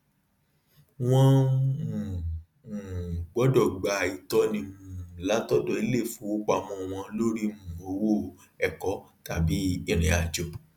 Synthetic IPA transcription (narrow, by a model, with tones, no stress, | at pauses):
w̃ɔ̃˦˧˨ | ũ˨ɡ͡bɔ˨˦dɔ˦˨ɡ͡ba˨i˨tɔ˧˦nĩ˧mũ˧˦˨la˨˦tɔ˦dɔ˨i˨˦le˦˨fu˨˦wu˦k͡pa˧mɔ̃˧˨w̃ɔ̃˧lo˦ɾi˦mũ˨o˧wo˦˨ | ɛ˦˨kɔ˨˦ta˨bi˨˦ɛ˦˨ɾ̃ɛ̃˨a˨d͡ʒɔ˨